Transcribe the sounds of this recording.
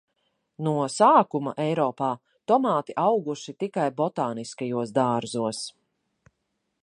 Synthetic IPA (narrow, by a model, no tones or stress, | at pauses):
nuɔsaːkumɐ̰ʔɛjɾɔːpaː | t̪ɔmaːt̪iʔawɡuʃit̪ikajbɔt̪aːniskajuɔsd̪aːɾzuɔs